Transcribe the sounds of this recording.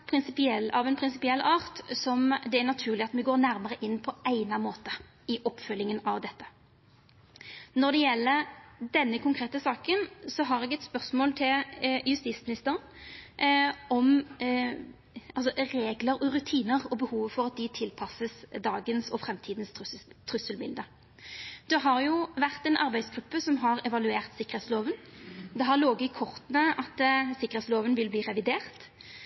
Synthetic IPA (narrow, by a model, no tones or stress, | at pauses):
pʰɾɪnsɪpɪɛlɑʋɛɪnpʰɾɪnsɪpɪɛlːɑːʁt̪sɔmd̪ɛæʁnɑt̪ʰʉːʁlɪɑt̪mɛɡoːʁnæɾməʁəʔɪnːpʰɔæɪnɑmoːt̪ə | ɪʔɔpːfœlːɪŋənɑʋd̪ɛt̪ːə̥ | nɔʁd̪ɛjɛlːəd̪ɛnːəkʰʊŋkʰʁeːt̪əsɑːkənsɔɦɑʁɛːɡɛt̪spœʁsmoːlt̪ʰɪljʉst̪iːt̪smɪnɪst̪əʁən | ɔm | ʔɑlsɔɾeːɡləɾɔʁʉt̪ʰiːnəʁɔbəhuːʋəfɔʁɑt̪̚d̪ɪt̪ʰɪlpʰɑsəsd̪ɑːɡənsɔfʁɛmt̪ʰiːd̪ən̩sst̪ʰʁʉsəlmɪ̰ld̪ə | d̪̥ɛɦɑʁjʊʋæʁt̪ɛnʔɑʁbæɪsɡʁʉpːəsɔmɦɑʁɛʋɑlʉeːʁt̪sɪkːəʁ̩hɛːt̪sloːʋənd̪ɛɦɑʁloːɡəkʰɔʁt̪nəʔɑt̪sɪkːəʁɛːt̪sloːʋənʋɪlbliːʁɛʋɪd̪eːʁt̪